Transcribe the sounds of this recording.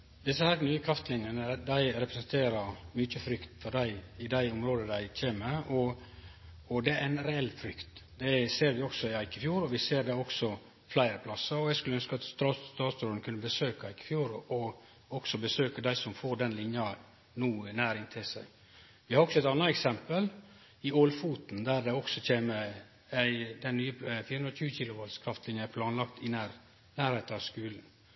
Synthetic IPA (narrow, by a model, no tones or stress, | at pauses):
d̪ɪsəhæːɾnyːəkʰɾɑft̪lɪnənəd̪æɪɾɛpɾəsɛnt̪ʰeːɾəɾmʏt͡ʃəfɾʏkt̪fɔɖæɪɪd̪æɪʊmɾoːd̪əd̪æɪc͡çʰeːməɔ | ɔd̪ɛæɪnɾɛɛlːfɾʏkt̪d̪ɛseːɾʋɪɔksɔɪæɪkɪfjuːɾɔʋɪseːɾd̪ɛɔksɔ | flæɪɾəpʰlɑsːəɾɔɛɪɡskʉlːəœnskəɑt̪st̪ɑːt̪ɑːt̪sɾoːənkʰʉnːəbəsøːkæɪkə̥fjuːɾɔ | ɔksɔbəsøːkəd̪æɪsɔmfoːɖɛnlɪnjɑ | nuːnæːɾɪnt̪ʰɛsə̰ | ʋɪhɑɾɔksɔɛɪt̪ɑnːɑɛksɛmpəl | ɪɔlfuːt̪nd̪æɾɖɛɔksɔc͡çʰeːmə | æɪd̪ɛnnyːəfiːɾəʉnɾɑçʉːəçilʊʋɑlskʰɾɑft̪lɪnjəpʰlɑːnlɑkt̪ɪnæɾ | næːɾheɪt̪ɑʋskʉːln̩